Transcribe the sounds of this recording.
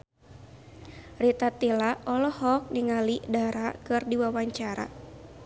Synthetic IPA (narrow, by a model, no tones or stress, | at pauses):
rit̪at̪ilaɔlɔhɔk̚niŋalidaɾakɨrdiwawaɲt͡ʃaɾa̰